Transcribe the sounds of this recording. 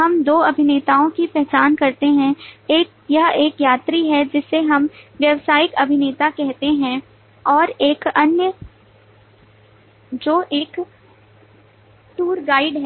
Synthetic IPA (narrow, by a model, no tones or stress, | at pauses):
ɦɐmd̪oːɐbʱɪneːt̪aːõkipɛɦt͡ʃaːnkɐɾt̪eɦɛ̃eːk̚ | jɐɦeːkjaːt̪ɾiɦɛd͡ʒɪsːeɦɐmʋjɐʋsaːjɪkɐbʱɪneːt̪akɛɦt̪eɦɛ̃ | ɔːɾeːkɐnjə | d͡ʒoːʔeːk | ʈuːɾɡaːɪɖɦɛ